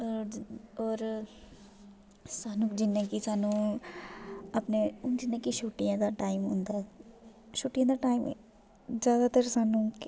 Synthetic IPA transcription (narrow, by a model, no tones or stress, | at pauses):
ɔːɾ | saːnũːkd͡ʒɪnːẽːkisaːnũː | əpned͡ʒɪnːẽːkiʃoːʈijãːd̪aːʈaːimɦʊ̰̃ːnd̪aːɛ | ʃuːʈijãːd̪aːʈaːim̰ | zjaːd̪aːt̪əɾsaːnũːk